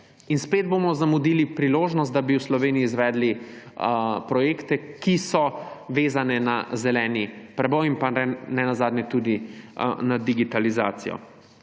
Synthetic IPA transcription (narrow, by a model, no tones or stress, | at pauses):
inspeːd̪̚bomɔzamud̪iːlipɾiloːʒnɔst̪̚d̪abiwslɔʋeːniiːzʋɛːd̪li | pɾɔjeːkt̪ɛkisɔʋeːzanɛnazɛlɛːnipɾɛbɔjimpanɛnazaːd̪nʲɛt̪ud̪inad̪iɡit̪alizaːt̪sijɔ̰